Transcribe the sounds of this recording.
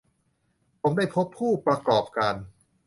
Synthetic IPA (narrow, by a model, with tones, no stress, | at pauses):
pʰo˩˦mdaː˥˩jpʰo˦˥pʰːuː˥˩pɾa˧kɔː˨˩p̚kaː˧n